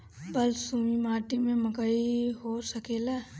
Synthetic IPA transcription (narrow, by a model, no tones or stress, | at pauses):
bəlsumimaːʈimẽməkəiɦosəkeːla